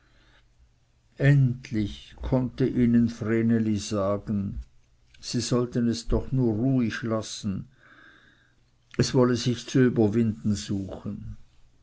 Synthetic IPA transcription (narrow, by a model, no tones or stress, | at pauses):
ʔɛntʰlɪçkʰɔntəʔiːnənfʁeːneliz̥aːɡ̥ən̩ | z̥iːzɔltənɛsd̥ɔχnuːɐʁuːɪçlasn̩ | ɛsv̥ɔləzɪçt͡suyːbɐvɪndn̩zuːxən